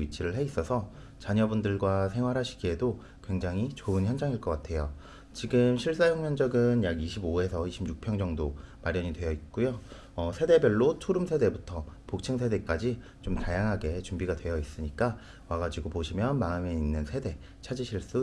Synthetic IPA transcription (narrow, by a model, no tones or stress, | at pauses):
ɥit͡ɕʰiɾɯɭɦe̞is͈ʌsʰʌ | t͡ɕaɲʌbundɯɭɡwasʰe̞ŋɦwaɾɦaɕʰi̥ɡie̞do | kwe̞ŋd͡ʑaŋɦit͡ɕoɯnçjʌnd͡ʑaŋiɭk͈ʌk͈atʰe̞jo | t͡ɕiɡɯmɕʰiɭs͈ajʌŋmjʌnd͡ʑʌɡɯnjaɡiɕʰiboe̞sʰʌiɕʰimjuk̚pʰjʌŋd͡ʑʌŋdomaɾjʌɲidwe̞jʌit̚k͈ujo | ʌsʰe̞de̞bjʌɭːot͡ɕʰoɾumsʰe̞de̞butʰʌpok̚t͡ɕʰɯŋsʰe̞de̞k͈ad͡ʑi | t͡ɕomtajaŋɦaɡe̞t͡ɕumbiɡadwe̞jʌis͈ɯɲik͈a | waɡad͡ʑiɡopoɕʰimjʌnmaɯme̞inːɯnsʰe̞de̞ | t͡ɕʰad͡ʑiɕʰiɭs͈u